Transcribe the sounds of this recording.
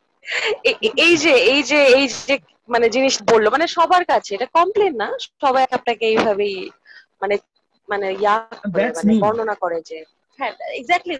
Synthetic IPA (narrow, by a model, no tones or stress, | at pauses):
eejd͡ʑeejd͡ʑeejd͡ʑe | maned͡ʑiniʃbolːomaneʃɔbʱaɾkat͡ɕʰeeʈakɔmplenːaʃʃɔbajap̚nakeejbʱabej | mane | manejakoɾemanebʱɔɾnonakoɾed͡ʑe | ɛɾeɡzɛk̚ʈli